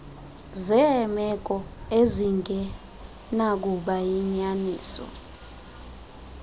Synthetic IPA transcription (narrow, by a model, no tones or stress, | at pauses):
zɛmɛk̬ʼɔeziŋɡʱɛ | nak̬uɓajiɲaniːsɔ̰